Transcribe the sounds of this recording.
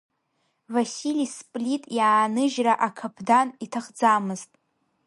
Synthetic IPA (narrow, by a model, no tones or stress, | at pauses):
vasilispʼlitʼjaːnɨʒraʔakʰapʰdanitʰaχd͡zamɨztʼ